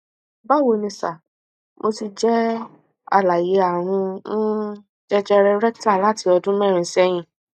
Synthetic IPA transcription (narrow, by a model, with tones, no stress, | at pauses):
ba˦˨wo˧nĩ˧sa˨ | mo˧ti˧d͡ʒɛ˦ | a̰˧˨la˨je˨˦a˨ɾ̃ũ˧nũ˦ | d͡ʒɛ˦d͡ʒɛ˦ɾɛ˧ɾɛ˦kta˦˨la˨˦˨ti˧˦ɔ˧dũ˦mɛ̃˦˨ɾ̃ĩ˧sɛ˦j̃ĩ˧˨